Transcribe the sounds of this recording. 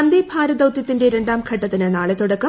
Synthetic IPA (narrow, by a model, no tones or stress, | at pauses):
ɐnd̪ebʱaːɾɐd̪ɐwt̪jɐt̪ːinde̞ɾeɳɖaːmkʰɐʈːɐt̪ːinɨnaːɭet̪ːuɽɐkːɐ